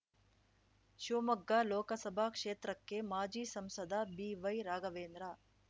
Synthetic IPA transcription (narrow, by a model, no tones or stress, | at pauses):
ʃuːmɐɡːaloːkɐsɐbʱaːkʂeːt̪ɾɐkːemaːd͡ʒiːsɐmsɐd̪ʱabiːʋɐjɾaːɡɐʋeːnd̪ɾa